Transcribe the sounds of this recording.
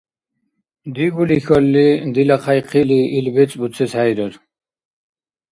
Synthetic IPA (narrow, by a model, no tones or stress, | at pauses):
d̪iɡuliçolːid̪ilɐqʰajqʰiliilbet͡sʼbut͡sʰeshajɾəɾ